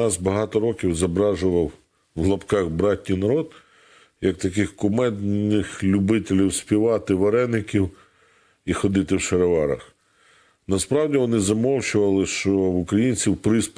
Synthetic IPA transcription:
ɑzbɐɦɑt̪ɔɾɔkʲiwzɐbɾɑʒʊʋɐw | wlˠɐpkɑxbɾɑtʲnijnɐɾɔd̪ | jɐk̚t̪ɐk̬ɪxkʊmɛd̪nɪxlʲʊbɪt̪ʲelʲiwspʲiʋɑt̪ɪʋɐɾɛnːɪkʲiw | ixɔd̪ɪt̪ɪwʃeɾɐʋɑɾɐ̰x | nɐspɾɑwdʲiʋɔnɪzɐmɔwt͡ʃʊʋɐlˠɪʃt͡ʃɔʊkɾɐjinʲt͡sʲiwpɾɪsp

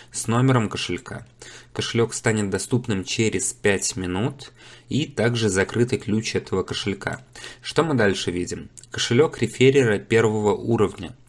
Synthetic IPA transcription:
sno̞mʲɪɾəmkəʂɨlʲkʰa̰kəʂɨlʲo̞kst̪anʲɪt̪̚d̪ɐst̪upnɨmt͡ɕeɾʲɪspʲætʲmʲɪnut̪it̪aɡʐɨzɐkɾɨt̪ɨklʲut͡ɕɛt̪ʰəvəkəʂɨlʲka̰ʂt̪o̞mɨd̪alʲʂɨvʲidʲɪmkəʂɨlʲo̞kɾʲɪfʲeɾʲɪɾəpʲe̞rvəvəʔuɾəvnʲə

